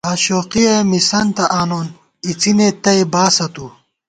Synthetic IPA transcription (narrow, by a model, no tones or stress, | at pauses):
aːɕoːqijɐmisɐnt̪ɐʔaːnoːn | it͡sinet̪ɐebaːsɐt̪u